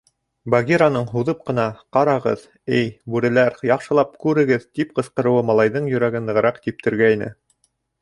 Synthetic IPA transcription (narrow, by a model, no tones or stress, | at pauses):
baɡʲiɾanɤɴɦuðɤp̚qɤ̆nɑqɑɾɑʁɤð | ɘjbʉɾɘ̆læɾjɑqʃɤ̆lˠɑp̚kʉɾɘ̆ɡɘðt̪ip̚qɤ̆sqɤ̆ɾɤ̆wɤmɑlˠɑjðɤɴjɵ̆ɾæɡɘnd̪ɤ̆ʁɤ̆ɾɑqt̪ip̚t̪ɘ̆ɾɡæjnɘ̰